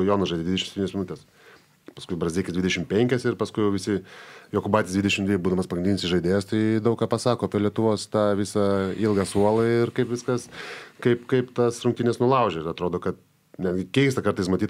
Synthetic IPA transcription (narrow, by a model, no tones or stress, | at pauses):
joːnɐsʒɐɪd̪ʲeːd̪ʲɪdʲɛʃʲmsɛt̪ʲiːnʲsmʲɪnʊt̪ʲɛs | pɐskʊɪbɾɐzʲiːkʲɪsd̪ʲʋʲɪdʲɛʃʲɪmpʲɛŋʲkʲɛsɪɾpɐskʊɪjɛʊʋʲɪsʲɪjoːkʊbɑːt̪ʲɪsd̪ʋʲɪd̪ʲɛʃʲɪmd̪ʲʋʲɪbuːd̪ɐmɐspɐɡɾɪnd̪ʲinʲɪsɪʒɐɪd̪ʲeːjɛst̪ɐɪd̪ɐʊkːɑːpɐsɑːkoːpʲilʲiɛt̪ʊʋoːst̪ɑːʋʲɪsɐilˠɡɑsuɔlˠɐɪrkɐɪpʋʲɪskɐskɐɪpkɐɪpt̪ɐsɾʊŋkt̪ʲinʲɛsnʊlˠɐʊʒʲɛɪɾɐt̪ɾoːd̪oːkɐt̪ | nʲæd̪ʲɡʲɪkʲɛɪs̬t̪ɐkɐɾt̪ɐɪsmɐt̪ʲit̪